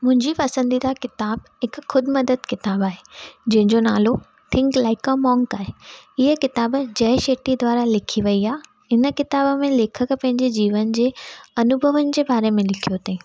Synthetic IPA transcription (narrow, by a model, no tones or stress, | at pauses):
mʊ̃ɦɪ̃ɲd͡ʑipɐsə̃nd̪id̪akɪt̪aːbɦɪkxʊd̪ʱɪ̆mɐd̪əd̪kɪt̪aːbaːɦed͡ʑɐ̃ɦɪ̃ɲd͡ʑona̰ːlo | t̪ʰɪ̃ŋklaɪkəmɔ̃ːŋkaːɦeɪɦəkɪt̪aːbd͡ʑɐɦʃeːʈid̪ʱwʋaːɾalɪkʰiʋɐiaː | ɪnə̆kɪt̪aːbəmẽleːkʰək̆pɐ̃ɦɪ̃ɲd͡ʑed͡ʑiːʋənd͡ʑeːɐnʊbʱəʋənɪ̆d͡ʑeːbaːɾemẽlɪkʰijot̪ʰeː